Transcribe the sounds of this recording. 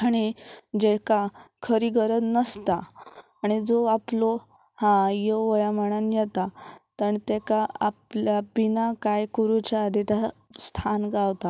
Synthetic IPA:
aɽ̃id͡ʑekakʰəɾiɡəɾət̪nəst̪aː | ɽ̃id͡zoaplo | hãjəʋəjaməɽ̃anjɛt̪at̪əɳt̪ɛkaapljabinakajkuɾut͡ɕaːd̪ʱit̪ast̪ʰanɡawt̪a

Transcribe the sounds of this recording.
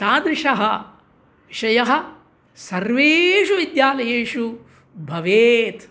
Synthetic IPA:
taːd̪ɾɪʂɐɦɐ | ʋiʃɐjɐɦɐ̆ | sɐɾʋeːʃuʋid̪jaːlɐjeːʂu | bʱɐʋeːt̪

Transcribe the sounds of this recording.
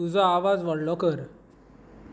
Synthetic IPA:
ud͡zɔaʋad͡zʋəɽlɔkəɾ

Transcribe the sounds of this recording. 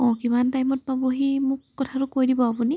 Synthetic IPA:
ɔ̃kimantajmɔt̚paboɦimʊkːɔtʰaɹʊkojdibɔapuni

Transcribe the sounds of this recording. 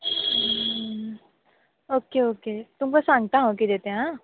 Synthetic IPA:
oːkeoːket̪ʊmkosãːŋɡt̪aɦoːkid̪eːt̪eɦɦãː

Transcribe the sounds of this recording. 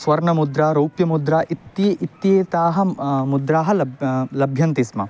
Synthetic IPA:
sʋɐɾɳɐmud̪ɾaːɾowpjɐmud̪ɾaːʔit̪jiʔit̪jeːt̪aːɦɐ̆mud̪ɾaːɦɐlɐblɐbʱjɐnt̪ismɐ̰

